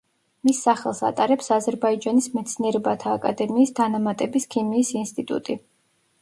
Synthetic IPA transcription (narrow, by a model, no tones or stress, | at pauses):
misːaχɛlˠsa̰t̪ʼaɾɛpsazɛɾbaid͡ʒanismɛt̪sʰniɛɾɛbat̪ʰaːkʼad̪ɛmiːsd̪ʰanamat̪ʼɛbiskʰimiːsinst̪ʼit̪ʼṵt̪ʼi